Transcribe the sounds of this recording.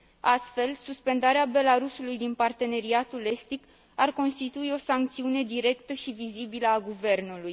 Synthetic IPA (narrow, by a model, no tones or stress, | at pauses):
ast̪fe̞lsuspe̞nd̪aɾeabe̞laɾusulujd̪inpart̪e̞ne̞ɾiat̪ule̞st̪ik | arko̞nst̪it̪uio̞saŋk̚t̪siune̞d̪iɾe̞kt̪əʃivizibiləaɡuve̞rnuluj